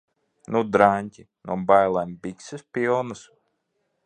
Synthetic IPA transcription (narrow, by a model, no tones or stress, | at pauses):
nud̪ɾaɲʲcʲi | nuɔbajlˠambiksɨspʲilˠnɨs